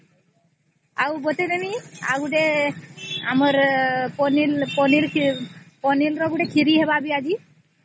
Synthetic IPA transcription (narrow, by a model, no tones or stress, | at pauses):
awbɔt̪enɛnia̰ɡuɖɛ | aməɾpɔnilpɔniɾ | pɔnilɾɔɡuʈɛkʰiɾiɦɛbabiad͡ʒi